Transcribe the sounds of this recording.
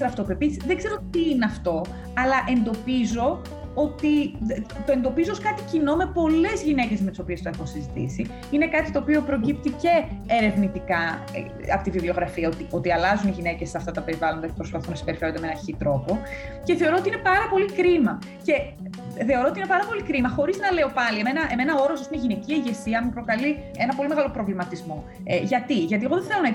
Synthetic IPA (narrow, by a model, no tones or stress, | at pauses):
ɾɐft̪o̞peepisiðe̞ɡze̞ɾo̞t̪iineɐft̪o̞ | ɐlɐʔe̞nd̪o̞pizo̞ | ot̪it̪o̞e̞nd̪o̞pizooskɐt̪i̥cino̞me̞po̞le̞zʝine̞ce̞zmet̪iso̞piest̪oexunsizit̪ḭsi | ine̞kɐt̪it̪o̞ːpio̞pɾo̞cip̚t̪ice̞ːɾe̞vnit̪ikɐ̰ | ɐ̰pot̪iviblio̞ɣɾɐfiɐot̪iʔo̞t̪iɐlɐzuniʝine̞cesːeɐft̪ɐt̪ɐpe̞ɾivɐlond̪ɐcepɾospɐθunɐsi̥pe̞ɾife̞ɾod̪emenɐçit̪ɾo̞po̞ce̞θe̞o̞ɾoot̪iine̞pɐɾɐpo̞likɾimɐ | ce̞ | θe̞o̞ɾo̞ot̪inepɐɾɐpo̞likɾimɐxo̞ɾiznɐle̞o̞pɐlieme̞nɐʔeme̞nɐo̞ɾosɐsineʝinecieʝe̞siɐmepɾo̞kɐli | e̞nɐpo̞lime̞ɣɐlopɾo̞vlimɐt̪izmo | ʝɐt̪iʝɐt̪ie̞ɣo̞ðenθe̞lo̞nɐ